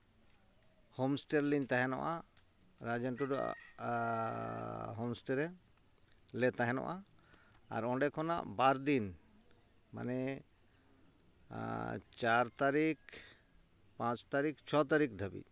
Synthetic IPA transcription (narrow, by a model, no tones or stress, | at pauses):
homsʈeɾlint̪aɦɛnɔ̰ʔa | ɾad͡ʒɛɳʈuɖɔa̰ʔ | ɦomsʈeɾɛ | lɛt̪aɦɛnɔ̰ʔa̰ː | ɾɔ̃ɖɛkʰɔna̰ʔbaɾd̪in | ma̰nɛ | t͡ʃaɾt̪aɾik | pãt͡ʃt̪aɾikt͡ʃʰɔt̪aɾikd̪ʱabḭ